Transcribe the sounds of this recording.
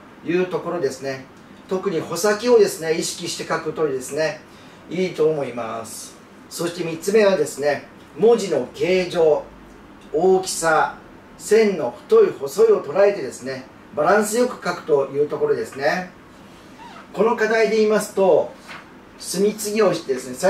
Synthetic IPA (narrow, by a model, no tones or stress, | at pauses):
jɯ̟ːt̪o̞ko̞ɾo̞d̪e̞sɨne̞ | t̪o̞kɯ̟ɲ̟iho̞sakʲio̞d̪e̞sɨne̞iɕi̥kʲiɕi̥t̪e̞kakɯ̟̥t̪o̞ɾʲid̪e̞sɨne̞ | iːt̪o̞ːmo̞ima̰sɨ̥ | so̞ɕi̥t̪e̞mʲit͡sːɨme̞βad̪e̞sɨne̞ | moʑino̞ke̞ːʑo̞ː | oːkʲi̥sa | sẽ̞nːo̞ɸɯ̟̥t̪o̞iho̞so̞io̞t̪o̞ɾae̞t̪e̞d̪e̞sɨne̞ | baɾãɰ̃sɨjo̞kɯ̟̥kakɯ̟̥t̪o̞jɯ̟ːt̪o̞ko̞ɾo̞d̪e̞sɨne̞ | ko̞nokad̪aid̪e̞iːmasɨ̥t̪o̞ | sɨmʲit͡sɨɡʲio̞ɕi̥t̪e̞d̪e̞sɨnesa